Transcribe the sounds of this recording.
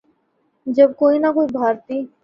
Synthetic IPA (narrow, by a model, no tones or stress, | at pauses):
d͡ʒəbkoinakoibʱaɾt̪i